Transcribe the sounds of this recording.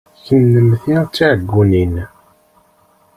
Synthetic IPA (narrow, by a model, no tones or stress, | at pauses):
çənːəmθiʁt͡sːiʕəɡːunin